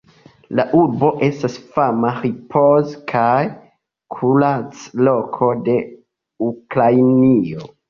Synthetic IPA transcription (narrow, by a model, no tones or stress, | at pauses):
laʔuɾbo̞ʔe̞stasfamaɾipʰozkʰaj | kʰulat͡slo̞kʰo̞de̞ | ukɾajnio̞